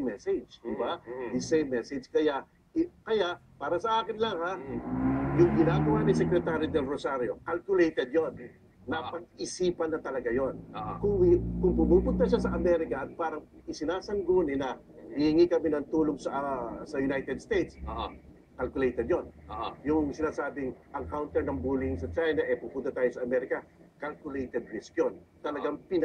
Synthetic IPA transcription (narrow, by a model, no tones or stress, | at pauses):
mɛsɛd͡ʒd̪ɪbad̪ɪsejmːɛsɛd͡ʒkɐjaʔ | kɐjaʔpaːɾɐsɐʔaːkɪnlɐŋha | jʊŋɡɪnaːɡɐwanɪsɛkɾɛt̪aːɾid̪ɛlɾosaɾjo̞kalkʊlejt̪ɛd̪̚jonː | ɐpɐɡ̚ʔɪsiːpɐnːɐt̪ɐlɐɡajonkʊŋkʊŋpʊmupʊnt̪ɐʃasɐʔɐmɛɾɪkɐʔɐt̪̚paːɾɐŋɪsɪnaːsɐŋɡoːnɪnɐ | hɪhɪŋikɐmɪnɐŋt̪uːloŋsɐsɐjʊnajt̪ɛd̪st̪ejt̪s | kɐlkʊlejt̪ɛd̪jonjʊŋsɪnaːsaːbɪŋʔɐŋkawnt̪ɛɹnɐŋbuːlɪŋsɐt͡ʃajnɐʔɛpupʊnt̪ɐt̪aːjosɐʔɐmɛɾɪkɐkalkʊlejt̪ɛd̪̚ɾɛskjont̪ɐlɐɡaŋpɪn